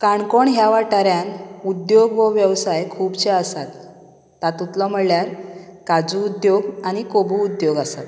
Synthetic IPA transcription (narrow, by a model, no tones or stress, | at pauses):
kaɳkoɳɦjaʋaʈaɾjanud̪joɡʋəʋjəwsajkʰuːbt͡ɕeasat̪ː | at̪ut̪lɔm̤əɭljaɾkad͡zuːd̪joɡañikobuːd̪joɡasat̪